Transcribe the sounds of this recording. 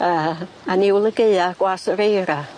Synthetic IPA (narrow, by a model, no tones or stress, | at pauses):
əː | aniwlˠəɡeɨaɡ̥wasəɾejɾa